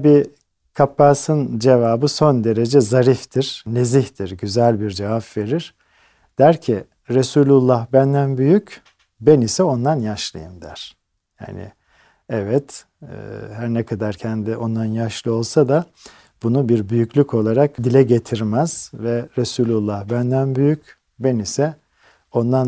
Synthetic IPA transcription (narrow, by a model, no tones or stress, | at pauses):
bi | kʰapːaːsɯnd͡ʒe̞vaːbɯso̞nd̪e̞ɾe̞d͡ʒɛzaɾift̪ʰiɾ̥neziçt̪ʰiɾɟyzælʲbiɾd͡ʒe̞vapve̞ɾiɾ̥ | d̪̥æɾcʰi | ɾesuːlʲulˠːahbænd̪ænbyjyc | bænisɛo̞nd̪anjaʃlˠɯ̰jɯmd̪æ̰ɾ̥ | ja̰ːnɪ̰ | ɛvɛt̪ʰː | ɦæɾnɛkʰad̪aɾcʰɛnd̪iʔo̞nd̪anjaʃlˠɯo̞lˠsad̪a | b̥unubiɾbyjycʰlʲycʰo̞lˠaɾakd̪ilʲɛɟe̞t̪ʰiɾmæz̥vɛɾesylʲulˠːahbænd̪ænbyjyc | bænisɛ | o̞nd̪an